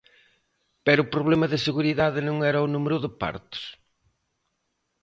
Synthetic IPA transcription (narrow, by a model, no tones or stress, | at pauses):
pɛɾʊupɾoβlɛmɐðɪseɣuɾiðaðɪnõŋɛɾɐunumeɾʊðɪpa̰ɾt̪ʊ̥s